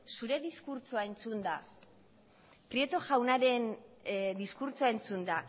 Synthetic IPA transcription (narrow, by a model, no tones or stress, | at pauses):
suɾe̞ðiskuɾt͡soae̞nt͡sund̪a | pɾie̞t̪o̞ʝawnaɾe̞nd̪iskuɾt͡soae̞nt͡sund̪a